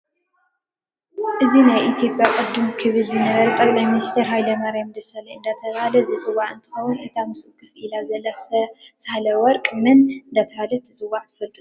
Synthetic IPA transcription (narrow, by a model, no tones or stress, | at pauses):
ʔɨzinajʔit̪ʰjo̞pʼjakʼɨd̪ːumkʰɨβɨlzɨnɐβɐɾɐt̪ʼɐkʼlajminist̪ʰeɾɦajd̪ɐmaɾamd̪ɐsalɐɨnd̪at̪ʰɐβahalɐzɨt͡sʼɨwaʕɨnt̪ʰɨ̥xɐwunʔɨt̪ʰamɨsɨkʰːɨfʔilazɐlːassɐhalɐwɔɾkʼmɨnɨnd̪at̪ʰɐβalɐt̪ʰɨt͡sʼɨwaʕt̪ʰɨfɐlt̪ʼɨu